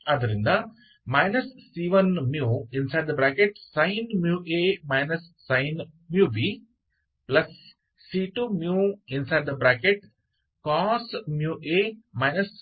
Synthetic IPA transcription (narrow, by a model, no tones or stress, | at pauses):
ɐd̪ɐɾĩnd̪a | maɪnɐsːiʋənmjuːɪ̃nsaɪɖd̪ɐbɾaːkeʈsãɪnmjuːʔeːmaɪnɐsːãɪn | mjuːʋiː | plɐsː | iːʈumjuːɪ̃nsaɪɖ̚d̪ɐbɾaːkeʈ | kɔːsmjuːʔeːmaɪnɐs